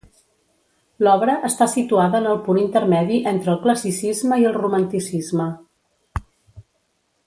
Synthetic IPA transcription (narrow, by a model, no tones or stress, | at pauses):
lɔβɾəʔəst̪asit̪uaðəːnəlˠpunint̪əɾmɛðiʔent̪ɾəːlˠkləsisizməiəlˠrumənt̪isizmə